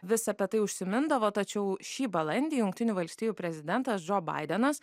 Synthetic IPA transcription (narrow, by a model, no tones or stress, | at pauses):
ʋʲɪsɐpʲiɛt̪ɐɪʊʃʲsʲɪmʲɪnd̪ɐʋoːt̪ɐt͡ʃʲɛʊʃʲiːbɐlˠɐnʲd̪ʲiːjʊŋk̚t̪ʲɪnʲuːʋɐlʲsʲt̪ʲiːjuːpʲɾʲɛzʲɪd̪ʲɛnt̪ɐsd͡ʒoːbɐ̰ɪd̪ʲɛnɐs